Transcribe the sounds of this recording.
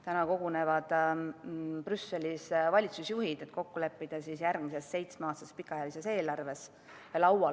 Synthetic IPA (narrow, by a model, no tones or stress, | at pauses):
t̪ænɑko̞ɡ̥une̞vɑd̪̥ | prysːe̞lisvɑlʲit̪susjuɦid̪̥et̪ːˑko̞kːule̞pːid̪̥ɑsisjæɾɡmise̞sːe̞jt̪smeɑːst̪ɑspikːˑɑjɑlise̞se̞ːlɑrve̞s | lɑwɑ